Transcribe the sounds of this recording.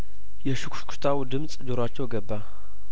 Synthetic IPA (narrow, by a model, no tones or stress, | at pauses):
jɛʃukʰʷʃkʰt̪ʰawd̪ɨmsʼd͡ʒoɾat͡ʃːɛwɡəbːa